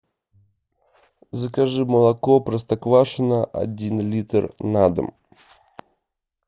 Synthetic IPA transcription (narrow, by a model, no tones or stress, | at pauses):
zɐkaʐɨmɐlˠɐkɔpɾɐst̪ɐkvaʂɨnəʔɐ̰dʲinlʲit̪ɨrnad̪ɨ̰m